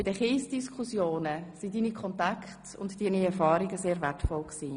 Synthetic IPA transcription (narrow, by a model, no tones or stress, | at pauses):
b̥ɪdəχiːsd̥iskʰχusjoːnəsidiːnikʰɔntakχt | ʊntd̥iːniɛɾfɑːɾɪɡəseːɾvɛtfɔlksiː